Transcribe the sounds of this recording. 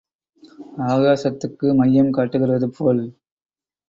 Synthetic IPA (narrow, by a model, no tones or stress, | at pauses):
aːɣaːsɐt̪ːɯkːɯmɐjːɐmkaːʈːɯɣɪrɐðɯpʰoːl